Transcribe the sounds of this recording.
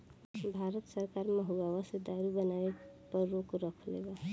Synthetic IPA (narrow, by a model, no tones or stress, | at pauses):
bʱaɾət̪səɾkaɾməɦuɡawased̪aɾubənaepəɾːokɾəkʰlḛɡa